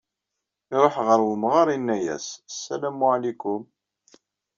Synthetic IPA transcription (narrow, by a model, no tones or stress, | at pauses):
iɾˤoħʁəɾwəmʁɑɾˤinːæjæ̰ssːælæmʊʕlikːʊm